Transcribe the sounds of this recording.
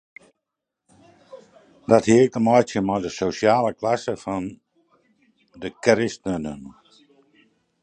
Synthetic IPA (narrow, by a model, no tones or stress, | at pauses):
dɔthiəkəmɔjtjəmɔjdəsosjaːləklasəfɔn | dəkrɪstənə̰n